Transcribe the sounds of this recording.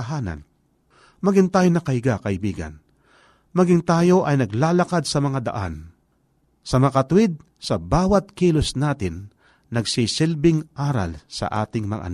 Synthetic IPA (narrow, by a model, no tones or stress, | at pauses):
ɦaːna̰n | mɐɡɪŋt̪aːjonɐkɐɪɡakɐʔɪbiːɡa̰n | mɐɡɪŋt̪aːjo̞ʔɐjnɐɡlaːlɐkad̪̚sɐmɐŋad̪ɐ̰ʔa̰n | sɐmkɐt̪ʊwɪd̪̚ | sɐbaːwɐt̪̚kiːlosnaːt̪ɪnː | ɐɡsisɪlbɪŋʔaːɾa̰lsɐ̰ʔa̰ːt̪ɪŋmɐŋa̰ʔɐ̰n